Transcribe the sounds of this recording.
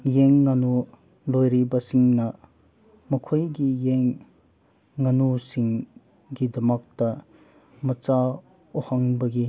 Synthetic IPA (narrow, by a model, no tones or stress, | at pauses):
jeŋːɐnu | lojɾibɐsiŋnɐ | mɐkʰojɡijeŋː | ɐnusiŋ | ɡidɐmɐk̚tɐ | mɐt͡ʃa | ohɐŋbɐɡi